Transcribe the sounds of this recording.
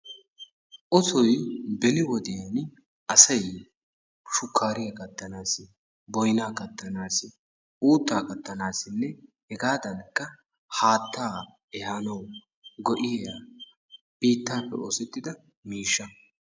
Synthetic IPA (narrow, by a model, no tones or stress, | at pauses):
ʔɔsɔjbɛlɪwɔd̪ɪjɐn | ʔɐsɐj | ʃʊkʰːaːɾɪjɐkʼɐt̪ːɐnaːsɪ | bɔjnaːkɐt̪ːɐnaːsɪ | uːt̪ːaːkʼɐt̪ːɐnaːsɪnːɛhɛɡaːd̪ɐnkːɐ | haːt̪ʰːaː | ɛhanɐw | ɡɔʔɪjɛja | b̥iːt̪ːaːpːɛ̰ʔo̰ːsɛt̪ːɪd̪ɐ | miːʃːɐ